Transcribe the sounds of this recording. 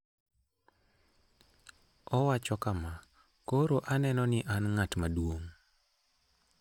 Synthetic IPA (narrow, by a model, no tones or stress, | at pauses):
ɔwat͡ʃɔkama | koɾoʔanɛnɔnɪʔanŋatmadwoŋ